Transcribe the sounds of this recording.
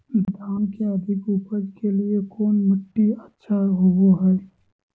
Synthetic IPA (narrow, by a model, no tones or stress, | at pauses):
d̪ʱaːnkeəd̪ʱɪkupəd͡ʒkeliekoːnməʈːiətːʃʰaɦoɡoɦɛj